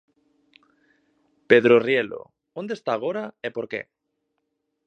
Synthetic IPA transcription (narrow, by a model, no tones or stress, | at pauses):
pe̞ðɾorjelo̰ | ond̪est̪aːɣ̞o̞ɾaepo̞ɾkḛ